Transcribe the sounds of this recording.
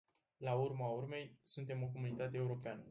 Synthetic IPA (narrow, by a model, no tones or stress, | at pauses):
laurmaurme̞jsunt̪e̞mo̞k̬o̞munit̪at̪e̞ːuɾo̞peanə